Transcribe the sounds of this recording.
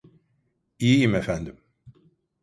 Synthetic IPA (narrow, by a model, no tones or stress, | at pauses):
iiimefænd̪im